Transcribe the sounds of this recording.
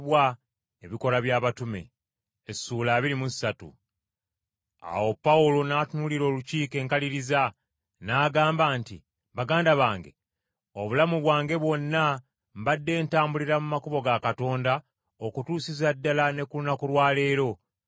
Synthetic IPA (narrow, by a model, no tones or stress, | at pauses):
βwa | eβiko̞ɾaβjaːβatume̞̰ | esuːlaːβiɾimussatṵ | a̰wo̞pːaulo̞naːtunuliɾo̞ːluciːke̞ːŋkaliɾiza | naːɡaːmbaːntḭ | βaɡaːndaβaːŋɡe̞̰ | o̞βulamuβwaːŋɡe̞βwo̞nːa | mβadːe̞ːntaːmbuliɾamumakuβo̞ɡakato̞ːnda | okutuːsizadːalane̞kulunakulwaːle̞ːɾo̞